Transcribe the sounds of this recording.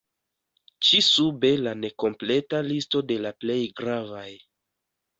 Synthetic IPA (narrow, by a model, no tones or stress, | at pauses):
t͡ʃisube̞lane̞ko̞mple̞talisto̞de̞laple̞jɡɾavaj